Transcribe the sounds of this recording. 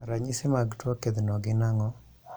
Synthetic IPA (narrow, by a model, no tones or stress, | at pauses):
ɾaɲɪsɪmaɡtwɔked̪nɔɡɪnaŋɔ